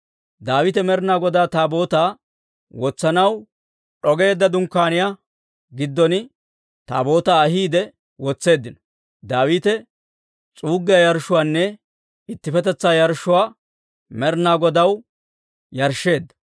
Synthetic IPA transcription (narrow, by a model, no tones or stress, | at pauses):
d̪aːwɪt̪ɛmɛɾnaːɡɔd̪aːt̪aːbo̞ːt̪aː | wɔt͡sːɐnɐw | ɗɔɡe̞ːd̪ːɐd̪ʊŋkːaːnɪja | ɡɪd̪ːɔnɪ | t̪a̰ːbo̞ːt̪aːɐɦiːd̪ɛ | wɔt͡sːe̞ːd̪ːɪnɔ̥ | d̪aːwiːt̪ɛ | t͡sʼuːɡːɪjɐjɐɾʃʊwaːnːɛ | ɪt̪ːɪfɛt̪ɛt͡sːaːjɐɾʃːʊwaː | mɛɾnaːɡɔd̪ɐw | jɐɾʃːe̞ːd̪ːɐ̥